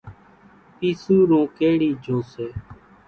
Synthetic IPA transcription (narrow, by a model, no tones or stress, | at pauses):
piːsuːɾõːkeːɽiːd͡ʒʱoːseː